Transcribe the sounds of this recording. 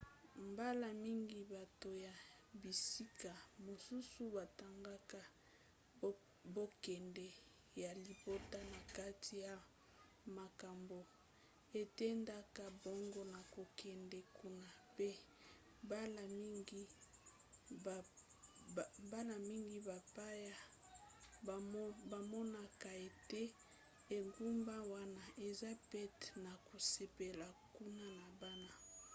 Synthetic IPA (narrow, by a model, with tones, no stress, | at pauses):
mba˦la˨mi˦ŋɡi˨ba˨to˨ja˨ | bi˨si˦ka˨mo˨su˦su˦ba˨ta˨ŋɡa˦ka˦ | bo˦kɛ˨ndɛ˨ | ja˨li˨bo˦ta˦na˨ka˦ti˨ja˨ | ma˨ka˨mbo˨ | e˨tɛ˦nda˦ka˦bo˦ŋɡo˦na˨ko˨kʰɛ˨ndɛ˨ku˦na˨pe˦ | ba˦la˨mi˦ŋɡi˦˨ | ba˦la˨mi˦ŋɡi˦ba˨pa˦ja˦˨ | ba˨mɔ˦na˦ka˨e˨te˦ | e˨ŋɡu˦mba˦wa˦na˨ʔe˨za˦pɛ˦tna˨ko˨se˨pe˨la˨ku˦na˦na˨ba˦na˦